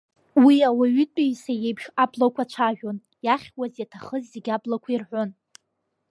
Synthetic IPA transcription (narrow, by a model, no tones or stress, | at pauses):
wiawaɥʏtʷʼiisajejbʒablakʷʰat͡ʃʷʰaʒᶣon | jaχʲwazjatʰaχəzːeɡʲablakʷʰairħʷon